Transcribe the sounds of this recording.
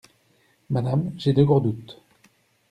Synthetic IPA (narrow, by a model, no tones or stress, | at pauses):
mad̪amʒed̪øɡɔʁd̪ut̪